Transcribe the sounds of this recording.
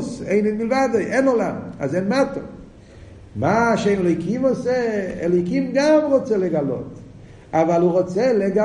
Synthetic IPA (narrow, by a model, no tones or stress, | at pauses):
seɪnɛnmilvadojʔɛnɔlamazɛnmato | maʃenɛlojkimɔsɛɛlojkimɡamʁot͡sɛlɛɡalo̰t | avaluʁot͡sɛleɡa